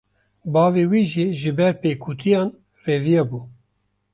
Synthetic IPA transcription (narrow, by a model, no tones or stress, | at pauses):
bɑːveːwiːʒiʒɨbɛɾpeːkʰut̪ʰijɑːn | reːvijɛbuː